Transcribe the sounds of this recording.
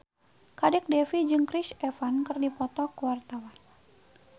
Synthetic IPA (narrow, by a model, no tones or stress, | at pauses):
kadɛk̚dɛfid͡ʒɨŋkɾisɛfankɨrdipɔt̪ɔkəwart̪awan